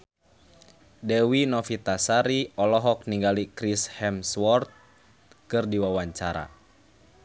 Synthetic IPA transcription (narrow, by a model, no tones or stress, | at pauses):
dɛwinɔfit̪asaɾiɔlɔɦɔk̚niŋɡalikɾishɛmswɔrt̪̚ | kɨrdiwawaɲt͡ʃaɾa̰